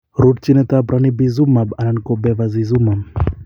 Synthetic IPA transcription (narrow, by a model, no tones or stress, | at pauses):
ɾud̚t͡ʃinɛt̪abɾʔanibizumabanankɔbɛvazizumam